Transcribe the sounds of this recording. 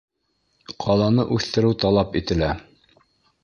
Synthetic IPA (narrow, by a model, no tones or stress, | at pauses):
qʰɑlˠɑnɤʔʉθt̪ɘ̆ɾɘwt̪ɑlˠɑpit̪ɘ̆læ